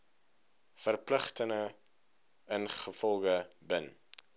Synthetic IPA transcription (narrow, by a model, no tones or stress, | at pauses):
fərpləχtəŋə | ənχəfɔlˠɡəbən